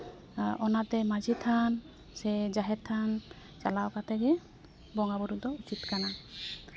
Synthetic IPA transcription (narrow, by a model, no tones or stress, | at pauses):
ɔnat̪ɛmad͡ʒʱit̪ʰan | sɛd͡ʒaɦɛtt̪ʰːan | t͡ʃalaokat̪ʰɛɡɛ | bɔŋɡabuɾud̪ɔut͡ʃit̪kana